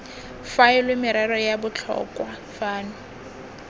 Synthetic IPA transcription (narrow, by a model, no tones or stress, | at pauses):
faɪlwɪmɪɾɛɾɔjabʊt͡ɬʰɔ̰kʼwa | faːnʊ